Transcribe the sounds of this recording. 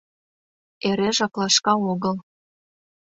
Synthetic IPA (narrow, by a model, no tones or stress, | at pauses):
eɾeʒɑklɑʃkɑoɣəl